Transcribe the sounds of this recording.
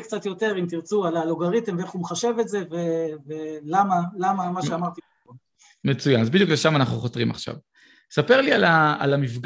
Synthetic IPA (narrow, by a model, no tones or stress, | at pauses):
kt͡sat̪jo̞t̪e̞ʁimt̪iʁt͡sualaloɡaʁit̪emveeχumeχaʃe̞vetze̞ve̞velamalamamaʃeamaʁt̪i | o | met͡sujanazbidjukleʃamanaχnuχo̞t̪ʁima̰χʃa̰v | sapeʁliala̰ːlamifɡ